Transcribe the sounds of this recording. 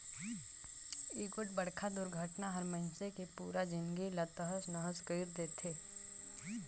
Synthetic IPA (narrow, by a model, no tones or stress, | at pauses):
iːkwəʈ̚bəɽkʰad̪ʊɾɡʱəʈnaɦɐɾməɪnsekepuːɾad͡ʒɪ̃nɡilat̪əɦəsnəɦəskəːɾd̪eːt̪ʰeː